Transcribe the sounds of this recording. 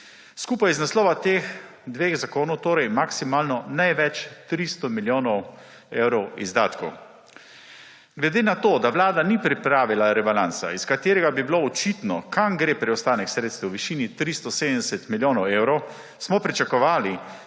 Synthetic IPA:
skuːpajiznaslɔːʋat̪eːxd̪ʋeːxzakoːnɔwt̪oːɾɛjmaksimaːlnɔnajʋɛt͡ʃt̪ɾist̪ɔmiljoːnɔw | eːwɾɔwizd̪aːt̪kɔw | ɡlɛd̪eːnat̪oːd̪aʋlaːd̪anipɾipɾaːʋilaɾɛbalansa̰iskat̪eːɾɛɡabibiloɔt͡ʃit̪nɔkamɡɾeːpɾɛɔst̪aːnɛksɾeːt̪st̪ɛwʋiʃiːnit̪ɾist̪ɔseːd̪ənd̪ɛsɛt̪miljoːnɔwewɾɔw | smɔpɾit͡ʃakɔʋaːli

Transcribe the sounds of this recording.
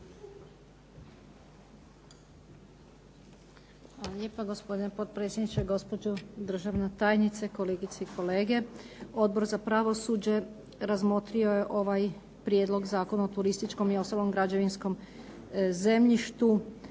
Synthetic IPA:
alalʲjeːpaɡo̞spo̞d̪inepo̞t̪̚pɾet̪sʲjed̪nit͡ʃeɡo̞spo̞d͡ʒod̪r̩ʒaʋnat̪aːjnit̪seko̞leɡit̪seiko̞le̞ːɡe̞o̞d̪̚bo̞ɾzapɾaʋo̞suːd͡ʑe̞ | ɾazmo̞t̪ɾio̞je̞ʔo̞ʋaj | pɾjed̪lo̞ɡzaːko̞naot̪uɾist̪it͡ʃko̞mio̞st̪alo̞mɡɾad͡ʑeʋinsko̞m | ze̞mʎiʃt̪u

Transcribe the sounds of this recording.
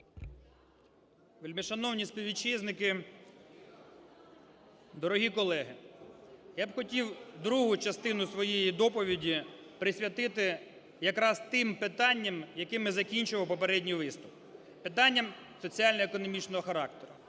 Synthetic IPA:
ʋɪlʲmɪʃɐnɔwnʲisʲpʲiwʋʲit͡ʃiznɪkɪ | d̪ɔɾɔɦʲikɔlˠɛɦɪ | jabxɔtʲiwd̪ɾuɦʊt͡ʃɐst̪ɪnʊsʋɔjejid̪ɔpɔʋʲidʲipɾɪsʲʋʲjɐt̪ɪt̪ɪ | jɐkɾɑst̪ɪmpɪt̪ɑnʲːɐmjɐkɪmɪzɐkʲinʲt͡ʃʊʋɐʊpɔpeɾɛdʲnʲijʋɪst̪ʊp | pɪt̪ɑnʲːɐm | sɔt͡sʲiɑlʲnɔekɔnɔmʲit͡ʃnɔɦɔxɐɾɑk̚t̪eɾʊ

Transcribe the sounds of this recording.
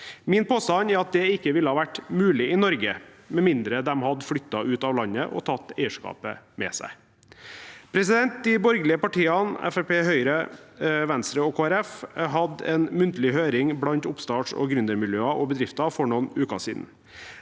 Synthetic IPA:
mɪnpʰoːst̪ɑnæɾɑt̪̚d̪ɛɪkːəʋɪlːəhɑːʋæʈːmʉːlɪɪnɔɾɡə | mɛmɪnd̪ɾəd̪ɛmhɑd̪flʏt̪ːɑʔʉːt̪ɑːʋlɑnːəʔɔ̰t̪ʰɑt̪ːeɪəʂkɑ̰ːpə̰mɛ̰sæ̰ɪ | pʰɾɛsɪd̪ɛnt̪̚d̪ɪbɔɾɡəlɪəpɑʈʰiːɑnɛ̰fɛpeːɦœʏɾəʋɛnst̪ɾəɔkʰoːæɾɛfɦɑd̪ɛ̰nmʉnt̪əlɪhøːɾɪŋblɑnt̪ʊpst̪ɑːʈʂɔ̰ɡɾʉnd̪əɾmɪljøːɑʔɔbəd̪ɾɪft̪ɑfɔɳɔnʉːkɑ̰sḭːd̪n̩

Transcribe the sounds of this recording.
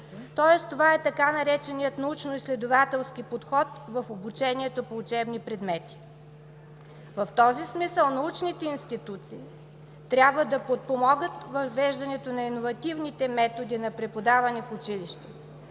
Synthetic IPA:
t̪ɔɛst̪ovaɛt̪ɐkanɐɾɛt͡ʃɛnijət̪nɐut͡ʃnoislɛd̪ovat̪ɛlˠskipot̪xɔt̪vɐfobut͡ʃɛniɛt̪opoːt͡ʃɛbnipɾɛd̪mɛt̪i̥ | vɐft̪ɔzismisəlˠnɐut͡ʃnit̪ɛinst̪it̪ut̪siː | t̪ɾʲabvəd̪ɐpot̪̚pomɔɡət̪vɐvːɛʒd̪ɐnɛt̪onɐinovɐt̪ivnit̪ɛmɛt̪od̪inɐpɾɛpod̪avɐnɛfʊt͡ʃiliʃt̪ɛ

